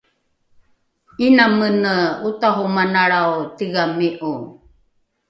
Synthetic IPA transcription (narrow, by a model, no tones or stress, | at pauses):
inamənəutaɦumanaɭawtiɣamiʔu